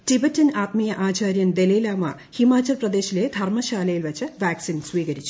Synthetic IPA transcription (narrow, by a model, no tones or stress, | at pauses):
tibɐtːɐnaːt̪̚mijɐʔaːt͡ɕaːɾjɐnd̪elijlaːmɐ̰ | himaːt͡ɕːɐlprɐd̪e̞ːɕile̞d̪ʱɐrmɐɕaːlɐjilʋɐt͡ɕːɨʋaːksinswiːɣɐɾit͡ɕːu